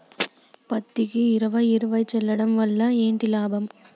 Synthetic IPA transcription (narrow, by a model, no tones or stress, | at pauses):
pɐt̪ːɪɣɯɪɾɐʋɐɪɪɾɯʋɐɪt͡ʃɛlːɐɽɐmʋɐlːaeːnd̪ɪlaːbɐm